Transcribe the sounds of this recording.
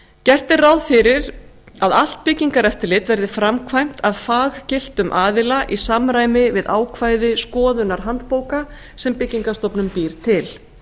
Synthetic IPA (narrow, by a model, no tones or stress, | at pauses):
cɛr̥t̪ɪrawðfɪɾɪɾ | aðal̥t̪̚pɪciŋkaɾɛft̪ɪɾlɪt̪vɛɾðɪfɾamkʰvajm̥t̪aðfaːɣcɪl̥t̪ʏmʔaːðɪlaʔisamɾaːjmɪvɪða̰ːwkʰvaːjðɪskɔːðʏnaɾ̥ɦant̪poːwka | sɛmpɪcːiŋkast̪ɔpnʏmpiːɾ̥t̪ʰɪl